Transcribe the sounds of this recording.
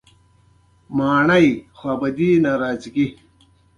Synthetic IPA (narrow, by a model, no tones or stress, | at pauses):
maːɳɐjxwɐbɐd̪iːnɐɾaːt͡sɡi